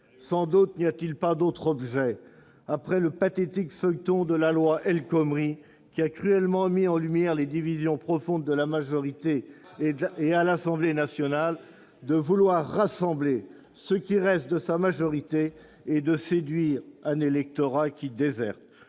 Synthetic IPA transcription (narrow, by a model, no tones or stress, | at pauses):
sɑ̃d̪ut̪nijat̪ilpad̪ot̪χɔbʒɛ | apχɛləpat̪et̪ikfœjt̪ɔ̃d̪əlalwaʔɛlkɔmʁi | kʲiakχyɛlmɑ̃miɑ̃lymjɛʁled̪ivizjɔ̃pχɔfɔ̃d̪ːəlamaʒɔʁit̪e | ealasɑ̃blenasjɔnal | d̪əvulwaʁːasɑ̃ble | səkʲiʁɛst̪̚d̪əsamaʒɔʁit̪eː | d̪əsed̪ɥiʁɛ̃nelɛk̚t̪ɔʁakʲid̪ezɛʁt̪